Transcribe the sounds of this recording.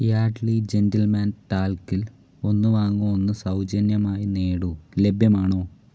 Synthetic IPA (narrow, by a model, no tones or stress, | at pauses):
jaːʈlid͡ʑendɐlmaːnʈaːlkːil | o̞nːɨʋaːŋːuonːɨsɐwd͡ʑɐnjɐmaːjineːɽule̞bʱjɐmaːɳo̞ː